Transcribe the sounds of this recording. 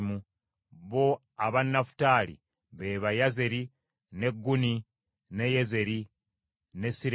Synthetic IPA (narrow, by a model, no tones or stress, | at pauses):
mu | βo̞ | aβanːafu̥taːlḭ | βe̞βajaze̞ɾi | ne̞ɡːuni | ne̞jeze̞ɾi | ne̞siɾ